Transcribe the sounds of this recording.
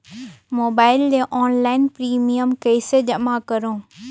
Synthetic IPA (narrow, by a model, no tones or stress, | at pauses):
moːbaːɪld͡ʑeʔɔːnlaːɪnpɾiːmiəmkɐɪsed͡ʑɐmakɐɾõː